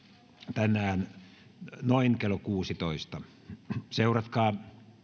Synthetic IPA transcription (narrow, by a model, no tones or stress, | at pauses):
t̪ænæːn | noiŋkelokuːsit̪oist̪ɑ | seurɑt̪kɑː